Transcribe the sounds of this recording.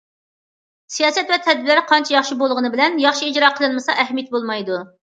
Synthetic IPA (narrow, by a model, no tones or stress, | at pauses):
sijɑːsɛt̪vɛt̪ʰɛd̪vɪlɪɾqʰɑnt͡ʃʰɛjɑχʃibolˠʁənɨbɪlɛnjɑχʃiid͡ʒɾɑqʰəlˠɨnmɨsɑʔɛɦmjɛt̪̚bolˠmɑjd̪u